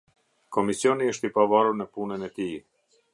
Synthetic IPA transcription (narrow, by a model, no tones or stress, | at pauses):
kɔmisjɔniəʃt̪ipavaɾuɾnəpunənɛt̪i